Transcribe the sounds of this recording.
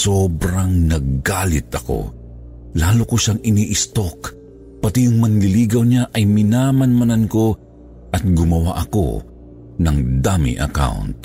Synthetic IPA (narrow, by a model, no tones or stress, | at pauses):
sobɾaŋnɐɡɡaːlɪt̪ɐko̰ | laːlokoʃaŋɪniʔɪst̪ok | pɐt̪ijʊŋmɐŋlɪliːɡɐwɲaʔɐjmɪnamɐnmɐnanko̞ | ʔɐt̪̚ɡʊmɐwa̰ʔɐko̞̰ | nɐŋd̪amɪ̰ʔɐ̰ka̰wnt̪̚